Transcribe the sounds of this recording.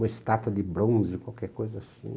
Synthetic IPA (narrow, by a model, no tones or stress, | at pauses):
mɐest̪at̪wɐd̪ɪbɾõzɪkwawkɛɾkojzɐasḭ̃